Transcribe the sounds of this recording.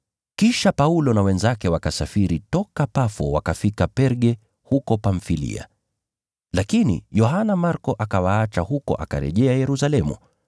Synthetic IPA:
kiʃapaulɔnawɛnzakɛwakasafiɾitɔkapafɔwa̰kafikapɛɾɠɛ | hukɔpaɱfilḭa̰ | lakinḭjɔɦanamaɾkɔʔakawaat͡ʃahukɔ̰ʔa̰ka̰ɾɛ̰ʄɛajɛɾusalɛmṵ

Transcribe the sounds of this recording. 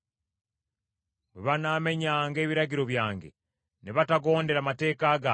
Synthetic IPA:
meβanaːme̞ɲaːŋɡe̞ːβiɾaɟiɾo̞βjaːŋɡe̞̰ | neβataɡo̞ːnde̞ɾamate̞ːkaːɡa

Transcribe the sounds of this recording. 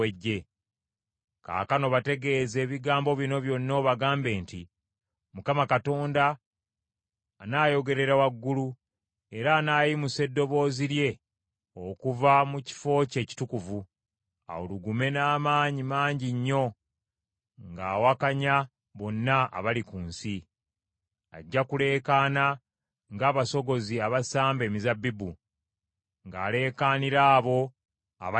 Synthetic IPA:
eɟːe̞ | ka̰ːkano̞βate̞ɡe̞ːze̞ːβiɡaːmbo̞βino̞βjo̞nːoːβaɡaːmbe̞ːnti | mukamakato̞ːnda | naːjo̞ɡe̞ɾe̞ɾawaɡːulu | e̞ɾaːnaːjimuse̞dːo̞βo̞ːziɾje̞ | okuvamuci̥fo̞ːce̞ːci̥tukuvu | a̰woluɡume̞naːmaːɲimaːɲɟiɲːo̞ | ŋɡaːwakaɲa | βo̞nːaa̰βalikuːnsi | a̰ɟːakule̞ːkaːna | ŋɡaːβaso̞ɡo̞ziaβasaːmbe̞ːmizabːibu | ŋɡaːle̞ːkaːniɾaːβo̞ | a̰β

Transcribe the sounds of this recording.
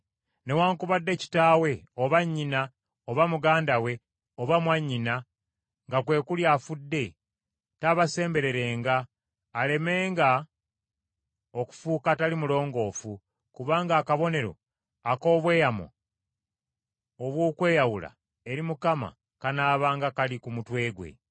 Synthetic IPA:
ne̞waːŋkuβadːe̞ci̥taːwe̞ | o̞βaɲːina | o̞βamuɡaːndawe̞ | o̞βamwaɲːina | ŋɡakwe̞ːkuljaːfudːe̞ | taβase̞ːmbe̞ɾe̞ɾe̞ːŋɡaː | le̞me̞ːŋɡa | oku̥fuːkatalimulo̞ːŋɡo̞ːfu | kuβaːŋɡaːkaβo̞ne̞ɾo̞̰ | ako̞ːβwe̞ːjamo̰ | oβwoːkwe̞ːjawula̰ | e̞ɾimukama̰ | kanaːβaːŋɡakalikumutwe̞ːɡwe̞̰

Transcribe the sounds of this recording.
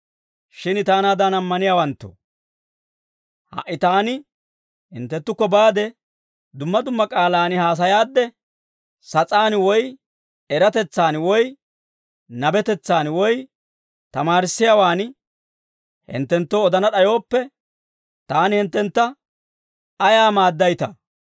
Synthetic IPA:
ʃɪnɪt̪aːnad̪anɐmːɐnɪjaːwɐnt̪ːo̰ | hɐ̰ʔːɪt̪aːnɪ | hɪ̰nt̪ːɛt̪ːʊkːɔbaːd̪ɛ | d̪ʊmːɐd̪ʊmːɐkʼaːlaːnɪhaːs̬ɐjaːd̪ːɛ | sɐt͡sʼaːnwɔj | ɛɾɐt̪ɛt͡sːaːnwɔj | nɐbɛt̪ɛt͡sːaːnwɔj | t̪ɐmaːɾɪsːɪjawaːn | hɪ̰nt̪ːɛnt̪ːoːd̪ɐnɐɗɐjo̞ːpːɛ | t̪aːnɪhɪnt̪ːɛnt̪ːɐ | ɐjaːmaːd̪ːɐjt̪ɐ

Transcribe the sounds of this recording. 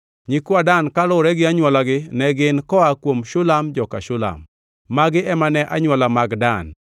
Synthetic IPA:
ɲɪkwadankalʊɾɛɡɪaɲwalaɡɪnɛɡɪnkɔakwomʃʊlamd͡ʒɔkaʃʊla̰mː | aɡɪʔɛmanɛʔaɲwalamaɡdan

